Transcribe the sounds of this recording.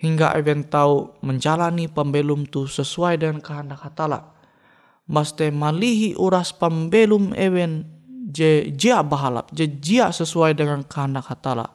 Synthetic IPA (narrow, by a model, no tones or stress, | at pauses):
hiŋɡa̰ʔɛwɛnt̪auməɲd͡ʒalanipambɛlumt̪usəsuajdəŋankaɦandakhat̪ala̰ʔ | bast̪ɛmaliɦiʔuɾaspambɛlumɛ̰wɛnd͡ʒɛd͡ʒiaʔbaɦala̰p̚d͡ʒɛd͡ʒiaʔsəsuajdəŋankaɦandakhat̪ala̰